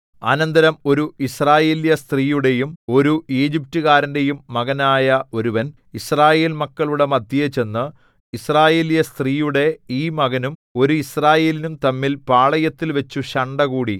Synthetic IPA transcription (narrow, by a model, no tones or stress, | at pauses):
ɐ̰nɐnd̪ɐɾɐmo̞ɾuisraːje̞ːljɐst̪riːjuɽe̞jumo̞ɾueːd͡ʑip̚tɨɣaːɾɐnde̞jumːɐɣɐnaːjɐo̞ɾuʋɐn | israːje̞ːlmɐkːɐɭuɽe̞mɐd̪ʱjɐjet͡ɕe̞nːɨ | israːje̞ːljɐst̪riːjuɽe̞iːmɐɣɐnumo̞ɾuisraːje̞ːlinumt̪ɐmːilpaːɭɐjɐt̪ːilʋɐt͡ɕːuɕɐɳɖɐɣuːɽi